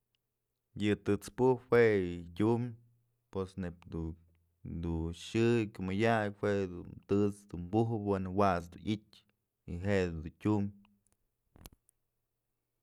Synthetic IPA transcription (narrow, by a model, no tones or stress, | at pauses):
jɨt̪ɨt͡spuhpwetʲum | pesnepd̪u | d̪uʃɨkʲumɨjakhweʔd̪ṵt̪ɨt͡sd̪umbuɦbwenɨwat͡sd̪unit̚ʲ | iɦeʔed̪d̪utʲum